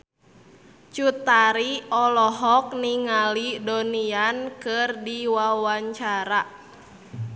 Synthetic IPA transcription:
t͡ʃut̪aɾiɔlɔɦɔk̚niŋalidoniankɨrdiwawaɲt͡ʃaɾa

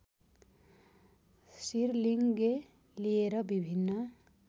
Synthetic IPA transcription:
siɾliŋɡe | lieɾʌbibʱinːʌ

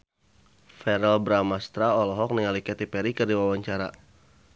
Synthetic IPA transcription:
fɛɾɛlbɾamast̪ɾaɔlɔɦɔk̚niŋalikɛt̪ipɛɾikərdiwawaɲt͡ʃaɾa̰

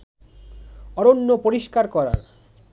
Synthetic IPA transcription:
ɔɾonːopoɾiʃkaɾkɔɾa̰ɾ

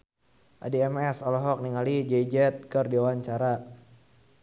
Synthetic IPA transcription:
ʔadeɛmɛsɔlɔɦɔk̚niŋalid͡ʒɛid͡ʒɛt̪̚kərdiawaɲt͡ʃaɾa

